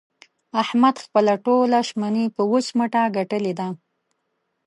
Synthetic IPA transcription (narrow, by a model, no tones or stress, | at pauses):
ahmad̪xpəlaʈolaʃmanipəwot͡ʃməʈaɡaʈəled̪a